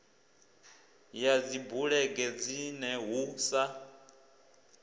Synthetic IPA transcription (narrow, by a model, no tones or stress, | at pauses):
jad͡zibuɺɛɡɛd͡zinɛɦusa